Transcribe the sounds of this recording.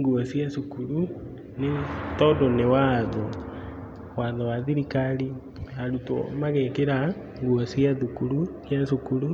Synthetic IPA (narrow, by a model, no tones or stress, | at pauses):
ŋɡuɔsjasukuɾu | netɔdɔnewaːðɔ | waðɔwaðiɾikaɾi | aɾutɔ̰maɣekeɾa | ŋɡuɔsjaðukuɾusjasukuɾu